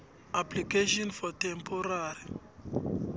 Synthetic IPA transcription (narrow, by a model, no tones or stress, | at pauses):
aplikeʃɔnfɔtɛmpʰɔɾaɾi